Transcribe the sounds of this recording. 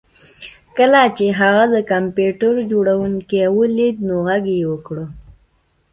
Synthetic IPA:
kəlat͡ʃeɦaɣad̪əkampjuʈəɾd͡ʒoɽawuŋkewəlid̪noɣaɡewəkɽə

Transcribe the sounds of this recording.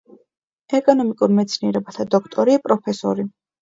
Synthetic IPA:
ɛkʼɔnɔmikʼuɾmɛt̪sʰniɛɾɛbat̪ʰad̪ɔkʰt̪ʼɔɾiapʼɾɔpʰɛsɔ̰ɾi

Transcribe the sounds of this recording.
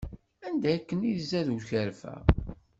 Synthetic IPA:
ænd̪æːkːəniðzæðuçəɾfæ̰

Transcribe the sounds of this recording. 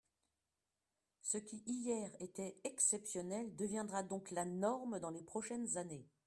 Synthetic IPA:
səkʲiʔijɛʁet̪ɛɛksɛpsjɔnɛld̪əvjɛ̃d̪ʁad̪ɔ̃klanɔʁmd̪ɑ̃lepχɔʃɛnzane

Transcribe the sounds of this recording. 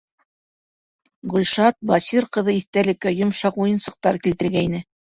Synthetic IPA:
ɡʉlʲʃɑt̪̚bɑsiɾqɤ̆ðɤiθt̪ælɘ̆kːæjŏmʃɑqujɤ̆nsɤ̆q̚t̪ɑɾkilt̪ɘ̆ɾɡæinɘ

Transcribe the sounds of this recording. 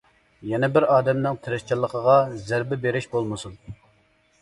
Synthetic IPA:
jɛnɛbɪɾɑːd̪ɛmnɪŋt̪ʰɪɾɪst͡ʃʰilˠːəqʰəʁɑzæɾbɪbeɾɪʃbolˠmɨsun

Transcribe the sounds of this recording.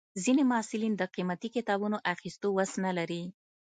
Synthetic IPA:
zinemaɑsɪlind̪əqimat̪ikɪt̪ɑbunoʔaxist̪owasnalaɾi

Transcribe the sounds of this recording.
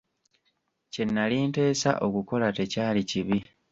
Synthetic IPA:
ce̞nːaliːnte̞ːsa̰ʔo̞kuko̞late̞caːliciβi

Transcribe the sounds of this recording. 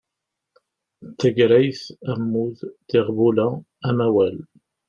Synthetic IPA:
θæɡɾæjθæmːuððɪʁvulæː | mæwæl

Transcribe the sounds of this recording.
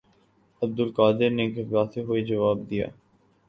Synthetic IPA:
ɐb̚d̪ʊlkaːd̪ɪɾneɡɐɡaːseɦued͡ʒɐʋaːb̚d̪ija̰ː

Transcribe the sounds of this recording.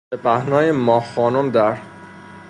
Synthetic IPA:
epʰæhnɒːjemɒːxɒːnomd̪æɾ

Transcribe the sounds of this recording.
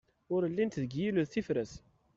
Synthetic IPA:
ʊɾəlːint̪ðəɡjiluðθifɾəs

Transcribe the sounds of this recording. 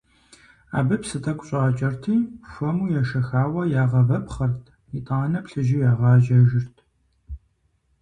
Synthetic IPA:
a̰ːbɨpsɨtʰɐkʷʼɕʼaːt͡ʃʼɐrtʰiːfʷɐmuːjɛʃɐxaːwɐjaːʁɐvɐpχɐrtʰ | itʼaːnɐpɬɨʒijaːʁɑːʒɐʒɪrtʰ

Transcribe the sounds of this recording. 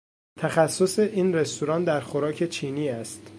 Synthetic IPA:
t̪ʰæxæsːoseʔiːnɾe̞st̪ʰoɾɒːnd̪æɾxoɾɒːcʰe̞t͡ʃʰiːniːæst̪

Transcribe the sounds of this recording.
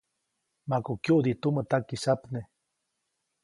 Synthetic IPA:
makukjuʔd̪it̪umət̪akisapne

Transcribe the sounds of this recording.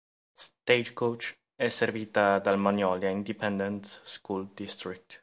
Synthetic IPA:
st̪ed͡ʒkowt͡ʃ | ɛserviːt̪ad̪almanjɔːliaind̪ipɛnd̪ent̪skuld̪ist̪ɾik̚t̪

